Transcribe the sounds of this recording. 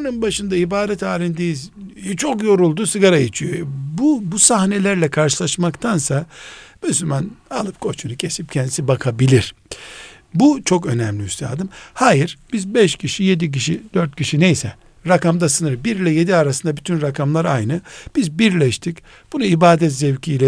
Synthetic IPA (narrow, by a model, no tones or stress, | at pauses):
nɯnbaʃɯnd̪aibaːd̪ɛt̪aːɾʲind̪ejizt͡ʃʰo̞kjo̞ɾulˠd̪usɯɡaɾajit͡ʃʰyjobubusahnelʲæɾlʲɛkʰaɾʃɯlˠaʃmakt̪ʰansamyslʲymanalˠɯp̚kʰo̞t͡ʃʰunucʰe̞sip̚cʰɛnd̪sibakʰabilʲiɾ̥ | but͡ʃʰo̞kø̞nɛmlʲiyst̪ʰa̰ːd̪ɯmhaːjiɾb̥izbɛʃcʰiʃije̞d̪ic̬iʃid̪̥øɾt̪̚cʲʰiʃinejsɛ | ɾakamd̪asɯnɯɾbiɾlʲɛje̞d̪iaɾasɯnd̪abyt̪ʰynɾakʰamlˠaɾajnɯb̥izbiɾlʲɛʃt̪ʰic | b̥unuibaːd̪ɛt̪zɛvcʰijlʲɛ